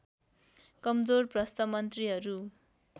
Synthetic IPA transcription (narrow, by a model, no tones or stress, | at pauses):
kʌmd͡zorprʌst̪ʌmʌnt̪riɦʌɾu